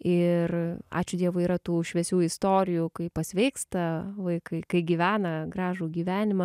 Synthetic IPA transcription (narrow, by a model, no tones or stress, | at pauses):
ɪrɑ̰ːt͡ʃʲʊd̪ʲiɛʋoːiːɾɐt̪uːʃʲʋʲɛsʲuːɪst̪oːɾʲɪjuːkɐɪpɐsʲʋʲɛɪkst̪ɐʋɐɪkɐɪkɐɪɡʲiːʋʲæːnɐɡɾɑːʒuːɡʲiːʋʲæːnʲɪmɐ